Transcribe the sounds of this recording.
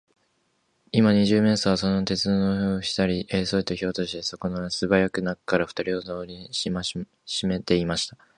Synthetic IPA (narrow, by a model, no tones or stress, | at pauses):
imaɲ̟iʑɨːme̞ːsoβaso̞no̞t̪e̞t͡sɨnonooːɕi̥t̪aɾʲiʔeːso̞it̪ːoço̞ːt̪o̞ɕi̥t̪e̞so̞ko̞noasɨbajakɯ̟nakkːaɾaɸɯ̟̥t̪aɾʲiozoːɾʲima | ɕime̞t̪e̞imaɕi̥t̪ḁ